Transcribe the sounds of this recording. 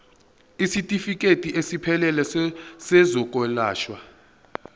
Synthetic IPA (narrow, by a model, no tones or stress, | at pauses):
isitʼifikʼetʼiʔesipʰɛlɛlɛsɛzɔkʼɔlaːʃwa